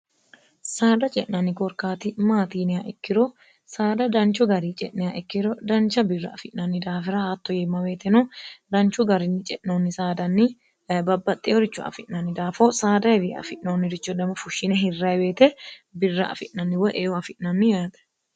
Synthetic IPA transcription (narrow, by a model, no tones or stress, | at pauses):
saːd̪ɐt͡ʃʼɛʔnɐnːɪkɔɾkaːt̪ɪmaːt̪iːnɪɐʔɪkːɪɾɔ | saːd̪ɐd̪ɐnt͡ʃɔɡɐɾiːt͡ʃʼɛʔnɛɐʔɪkːɪɾɔd̪ɐnt͡ʃːɐbɪrːɐ̰ːfɪʔnɐnːɪd̪aːfɪɾɐhat̪ːɔjɛmːɐweːt̪ɛnɔd̪ɐnt͡ʃʊɡɐɾɪnːɪt͡ʃʼɛʔnoːnːɪsaːd̪ɐnːɪ | bɐbːɐt̪ʼːɛɔɾɪt͡ʃːʊɐ̰fɪʔnɐnːɪd̪aːfosaːd̪ɐɛdiɐ̰fɪʔnoːnːɪɾɪt͡ʃːɔd̪ɐmɐfʊʃːɪnɛɦɪrːɐjbeːt̪ɛbɪrːɐ̰ɐ̰fɪʔnɐnːɪwɔʔeːɔɐfɪʔnɐnːɪjaːd̪ɐ̥